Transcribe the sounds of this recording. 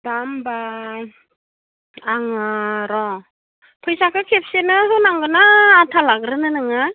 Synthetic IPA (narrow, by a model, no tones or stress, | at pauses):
damba | aŋaɾɔ | pʰɯjsakʰɯkʰep̚senɯɦɯnaŋɡɯnaːtʰalaɡɾɯnɯnɯŋa